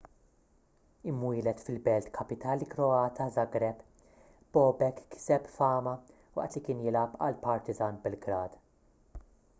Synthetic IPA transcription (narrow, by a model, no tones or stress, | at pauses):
ɪmːwiːlɛt̪fɪlbɛlt̪kʰɐpɪt̪ɐːlikɾɔɐːt̪ʰɐzɐɡɾɛb | b̥ɔːbɛkːɪ̥sɛpfɐːmɐ | wɐ̰ʔt̪likɪːnjɪlɐpɐ̰lpɐɾt̪ɪzɐːnbɛlɡɾɐːd̪̥